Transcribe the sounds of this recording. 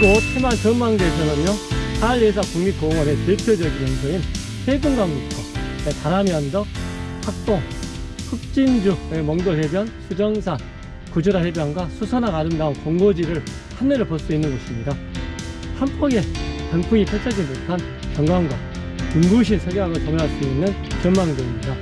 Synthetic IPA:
iɡotʰemant͡ɕʌnmaŋdeesʰʌnɯɲjoaɭːes̬ʰʌkuŋmik͈oŋʌne̞teɭpʰjod͡ʑʌɡinjʌnsʰoin | hʰeɡɯŋɡaŋbutʰʌetaɾamjʌnd͡ʑʌhak̚t͈oɸʰuk̚t͡ɕ͈ind͡ʑuemʌŋdoɭhebjʌnsʰud͡ʑʌŋsʰan | kud͡ʑoɾahebjʌŋɡwasʰusʰʌnaɡaɾɯndaonkʌŋɡod͡ʑiɾɯɭ | hanːeɾɯɭpoɭs͈uinːɯnɡʌɕʰimɲida | hampʰʌɡe̞panpʰuŋipʰʌɭt͡ɕʰʌd͡ʑinbotʰan | kjʌŋɡwaŋɡwa | kuŋɡuɕ̬ʰinsʰʌɡeaɡɯɭt͡ɕʌmʌɦaɭs͈uinːɯn | kʌnmaŋdɯimɲida

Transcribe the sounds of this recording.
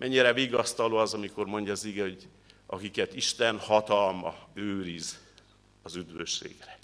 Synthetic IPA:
mʔɛɲːiɾɛviːɡɒst̪ɒloːɒzɒmiko̞rmo̞ɲɟɒːziɡɛho̞ɟ | ʔɒkikɛt̪iʃt̪ɛnhɒt̪ɒlmɒ̰øːɾiz | ɒzyd̪ʋøʃːḛːɡrɛ

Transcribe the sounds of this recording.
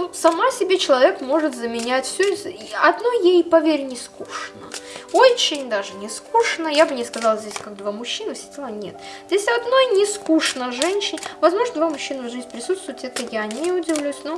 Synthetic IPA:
nusɐmasʲɪbʲet͡ɕɪlˠɐvʲe̞kmo̞ʐɨt̪zəmʲɪnʲætʲfsʲo | ɐd̪nojejpɐvʲeɾʲnʲɪskuʂnəo̞t͡ɕːɪnʲd̪aʐɨnʲɪskuʂnəjabɨnʲɪskɐzɑlˠzʲdʲesʲkak̚d̪vamʊɕːinəfsʲɪ̥tʲelˠənʲe̞t̪ | zʲdʲesʲɐd̪no̞jnʲɪskuʂnəʐɛnʲɕːɪnʲvɐzmo̞ʐnəd̪vamʊɕːinəvʐɨzʲnʲpɾʲɪsut̪st̪vʊjɪt̪ʲɛt̪əjanʲɪʊdʲɪvlʲæjʊsʲno

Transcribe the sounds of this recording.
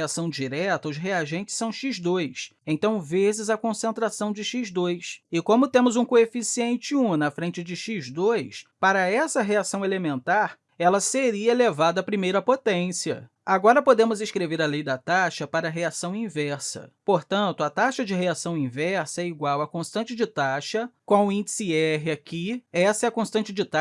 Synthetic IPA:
asɐ̃w̃d͡ʒiɾɛt̪ɐʊzɦeaʒẽnt͡ʃɪ̥sːɐ̃w̃ʃizd̪ojsẽt̪ɐ̃w̃vezɪzɐkõsẽnt̪ɾasɐ̃w̃d͡ʒɪʃizd̪ojsɪkõmʊt̪ẽmʊzũkoefisiẽnt͡ʃɪũnɐfɾẽnt͡ʃɪd͡ʒɪʃizd̪ojspaɾɐɛsɐɦeasɐ̃w̃elemẽnt̪aɾ | ɛlɐseɾiɐelevad̪ɐːpɾimejɾɐpot̪ẽsiɐ̰ | aɡɔɾɐpod̪ẽmʊzĩskɾeveɾɐlejd̪ɐt̪aʃɐpaɾɐɦeasɐ̃w̃ĩvɛɾsɐ̰poɾt̪ɐ̃nt̪ʊɐt̪aʃɐd͡ʒɪɦeasɐ̃w̃ĩvɛɾsɐɛiɡwawɐkõst̪ɐ̃nt͡ʃɪd͡ʒɪt̪aʃɐkõw̃ʊĩd͡ʒsiɛɦɪakʰiɛsɐɛɐkõst̪ɐ̃nt͡ʃɪd͡ʒɪt̪a

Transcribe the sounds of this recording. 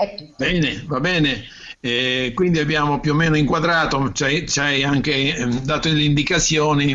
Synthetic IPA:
ɛkːbɛːnevabɛːne | ɛkwind̪iabːjaːmopjuomːɛːnoiŋkwad̪ɾaːt̪ot͡ʃajt͡ʃajaŋk̟ed̪aːt̪olind̪ikat̪sːjɔːni

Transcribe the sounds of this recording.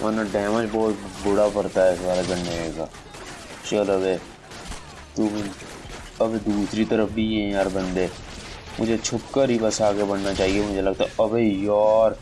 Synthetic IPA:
mʔa̰ːnãɖɛːʋãt͡ʃbɔːt̪bʊɽaːpəɾt̪aːɛsbaːlakəɾneeːɡa̰ː | t͡ʃələbeː | t̪u | əbeːd̪uːsɾiːt̪əɾəfbiːɦɛ̃aːɾbənd̪eː | mʊd͡ʒeːt͡ʃʰʊpkaɾiːpəsaːɡebəɳnaːt͡ʃaːɦieːmʊd͡ʒʱeːləɡt̪aʔəbeːjɔːɾ

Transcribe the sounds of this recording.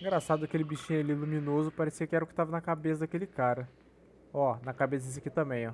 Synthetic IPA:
ẽɡɾasad̪ʊɐkelɪbiʃĩalilumĩnozʊpaɾesiɐkɪɛɾɐʊkɪ̥t̪avɐnɐkabesɐd̪ɐkelɪkaɾɐ | ɔnɐkabesɐd̪es̬ɪɐkit̪ɐ̃bẽj̃ɔ

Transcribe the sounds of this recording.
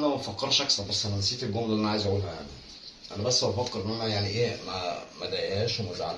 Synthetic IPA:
næwfækːɑɾˤʃæksˤɑbæsːʔænænsiːt̪elɡoːmd̪æʔænʕaːjezʕuːlhæja̰ʕni | ʔænæbæsːʔæfækːeɾʔenʔænæjaʕniʔeːmæmæd̪æjæʃmozʕal

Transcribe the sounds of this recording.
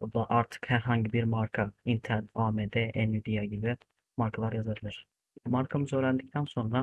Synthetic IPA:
ud̪aʔaɾt̪ʰɯ̥khæɾɦaɲɟibiɾmaɾkʰaint̪ʰænaːmed̪ɛʔɛnyd̪ijaɟibi | maɾkʰalˠaɾjazabilˠɯɾ̥ | maɾkʰamɯzø̞ːɾænd̪ic̚t̪ʰænso̞nɾa

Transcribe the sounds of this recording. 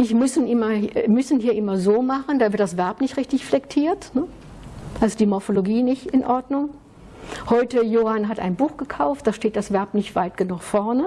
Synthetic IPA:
ʔɪçmʏsn̩ʔɪmɐmʏsn̩hiːɐʔɪmɐzoːmaχən̩daːvɪɐt̚d̥asv̥ɛɐpnɪçtʁɪçtɪçflɛktʰiːɐtnə | ʔalzod̥iːmɔɐfoloɡiːnɪçtɪnʔɔɐdnʊŋ | hɔʏtəjoːhanɦatʔa̰ɪnbuːxɡ̥əkʰaʊftd̥aːʃteːt̚d̥asv̥ɛɐpnɪçtv̥aɪtɡ̥ənuxfɔɐnə

